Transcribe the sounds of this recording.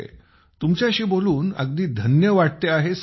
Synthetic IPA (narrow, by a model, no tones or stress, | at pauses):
ḛ | t̪umt͡ɕjaɕiːboluːnə̰ɡ̚d̪iːd̪ʱənjəʋaʈ̚t̪eaɦes